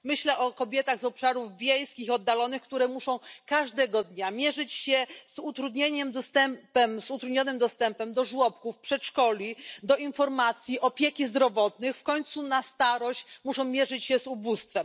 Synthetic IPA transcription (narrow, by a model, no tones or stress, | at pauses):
mɘɕlɛʔɔkɔbʲjɛt̪aɣzɔpʂaɾuvvʲjejskʲixɔd̪ːalɔnɘxkt̪uɾɛmuʂɔ̃w̃kaʐd̪ɛɡɔd̪ɲamʲjɛʐɘt͡ɕɕɛz̥ut̪ɾud̪ɲeɲɛmd̪ɔst̪ɛmpɛmzut̪ɾud̪ɲɔnɘmd̪ɔst̪ɛmpɛmd̪ɔʐwɔpkufpʂɛt̪ʂkɔlʲid̪ɔinfɔɾmat̪sʲjiʔɔpʲjekʲizd̪ɾɔvɔt̪nɘxfkɔɲt̪sunast̪aɾɔɕt͡ɕmuʂɔ̃w̃mʲjɛʐɘt͡ɕɕɛzubust̪fɛm